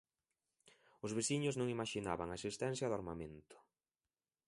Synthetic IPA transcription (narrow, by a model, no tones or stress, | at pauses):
ʊzβesiɲʊznõŋimaʃina̰βaŋaesist̪ɛnθjɐðʊaɾmamẽnt̪ʊ̥